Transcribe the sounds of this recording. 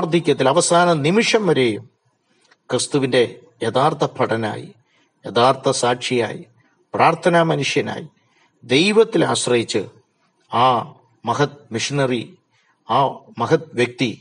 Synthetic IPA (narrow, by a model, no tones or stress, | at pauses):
rd̪ʱikʲːɐt̪̬ːilɐʋɐsaːnɐnimiʂɐmʋɐɾeːjum | krist̪uʋinde̞ | jed̪aːrt̪ʰɐpʰɐʈɐna̰ːjḭ | jed̪aːrt̪ʰɐsaːʈʂija̰ːjḭ | praːrt̪ʰɐnamɐnuʂjɐna̰ːji | d̪e̞jʋɐt̪ːilaːɕrɐjit͡ɕːɨ | aː | mɐɦɐt̪̚miʂinɐri | aːmɐɦɐt̪̚ʋjɐk̚t̪i